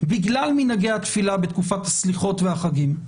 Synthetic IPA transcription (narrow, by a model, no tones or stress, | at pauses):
biɡlalminaɡeat̪filabet̪kufat̪hasliχo̞t̪veaχaɡim